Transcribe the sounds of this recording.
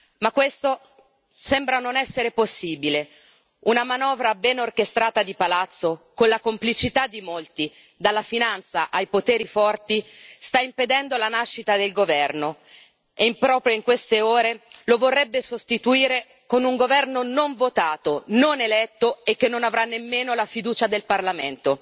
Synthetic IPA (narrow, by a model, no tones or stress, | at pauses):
makːwest̪o | sɛmbɾanonɛsːeɾeposːiːbile | unamanɔːvɾabɛnorkest̪ɾaːt̪ad̪ipalat̪sːokonlakomplit͡ʃit̪ad̪imolt̪i | d̪alːafinant̪saʔajpot̪eːɾifɔrt̪ist̪aimped̪ɛnd̪olanaʃːit̪ad̪elɡovɛrno | eimpɾɔːpɾjoiŋkwest̪eoːɾelovorːɛbːesost̪it̪uiːɾe | konuŋɡovɛrnonoɱvot̪aːt̪ononelɛt̪ːoekːenːonavɾanːemːeːnolafid̪uːt͡ʃad̪elparlament̪o